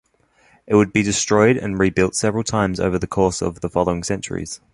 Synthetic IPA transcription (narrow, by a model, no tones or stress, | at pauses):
ʔɪʔ̚wəd̚bidɪstɹ̥ɔɪɾə̰̃nɹiːbɪlˠtsɛvəɹəlˠtʰãɪ̃mzə̰ʊvəðəkʰɔˑsə̰vðəfɒləʊɪ̃ŋsɛ̃nt͡ʃə̰ɹḭz̥